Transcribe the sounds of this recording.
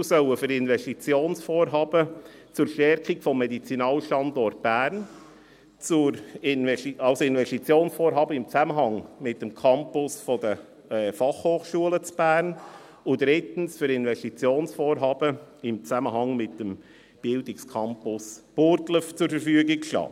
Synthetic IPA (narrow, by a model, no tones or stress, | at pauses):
sœləfʏɾɪnvɛʃtit͡sjoːnsfoːɾɦɑːb̥ət͡sʊɾʃtɛɾkikfɔmːɛdit͡sinɑːlʃtɑnd̪ɔɾt̚b̥æːɾn | t͡sʊɾɪnɛɑlsoɪnvɛʃtit͡sjoːnsfoːɾɦɑːbəɪmt͡sæməɦɑŋmɪt̚dəmkʰɑmpʊsfɔdə | ɛːfɑχhoːχʃuələt͡sb̥æːrn | ʊd̥̪ɾɪtn̩sfʏɾɪnvɛʃtit͡sjoːnsfoːɾɦɑːb̥əɪmt͡sæməɦɑŋmɪt̚dəm | b̥ɪldɪkskʰɑmpʊsb̥ʊɾtləft͡sʊɾfəɾfyəɡikʃtɑ̰ː